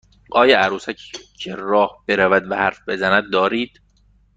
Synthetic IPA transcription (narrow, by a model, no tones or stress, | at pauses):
ʔɒːjɒʔæɾuːsæcʰcʰeɾɒːhb̥eɾævæd̪væhæɾfbe̞zænæd̪̚ːɒːɾiːd̪̥